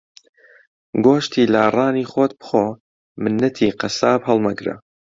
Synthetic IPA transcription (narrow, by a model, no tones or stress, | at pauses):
ɡoːʃt̪ʰiːlaːrˤɑːniːxoːt̪̚bɨ̥χoː | mɨnːɐt̪ʰiːqɐsaːphɐlˠmɐɡɾɐ̰